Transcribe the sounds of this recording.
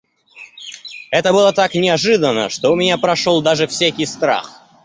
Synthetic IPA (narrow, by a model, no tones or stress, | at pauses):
ɛt̪əbɨlˠət̪aknʲɪɐʐɨd̪ənːə̰ʂt̪oʊmʲɪnʲapɾɐʂolˠd̪aʐɨfsʲækʲɪjst̪ɾa̰x